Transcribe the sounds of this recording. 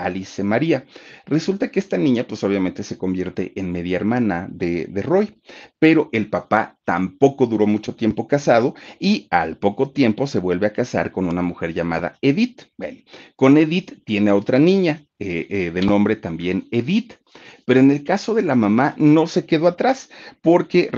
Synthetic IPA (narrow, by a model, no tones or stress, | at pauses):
alisemaɾiare̞sult̪akeest̪anĩɲapweso̞β̞jament̪e̞se̞ko̞mbje̞ɾt̪e̞̰ʔenme̞ðjaeɾmãnaðeðe̞ro̞j | pe̞ɾo̞ʔe̞lpapat̪ampo̞ko̞ðuɾo̞mut͡ʃo̞t̪je̞mpo̞kasaðo̞ia̰lpo̞kot̪je̞mpo̞se̞βwe̞lβeakasa̰ɾko̞nunamuxe̞ɾʝama̰ða̰eðit̪bwḛnko̞ne̞ðit̪ːje̞ne̞ao̞t̪ɾanĩɲa | eðe̞nõ̞mbɾe̞t̪ambje̞neðit̪ | pe̞ɾoene̞lkaso̞ðe̞lamãmano̞se̞ke̞ðo̞at̪ɾaspo̞ɾke̞